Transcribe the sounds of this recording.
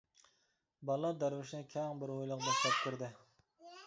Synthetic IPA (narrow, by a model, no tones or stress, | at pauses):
bɑlˠːɑd̪æɾwɪʃnɪkʲʰɛŋbɪɾojlˠʊqbɑʃlɛp̚kʲʰyɾd̪ɪ